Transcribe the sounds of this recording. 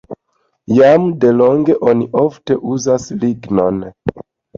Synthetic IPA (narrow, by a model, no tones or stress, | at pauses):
jamde̞lo̞ŋɡe̞ʔo̞niʔo̞fte̞ʔuzasliɡno̞n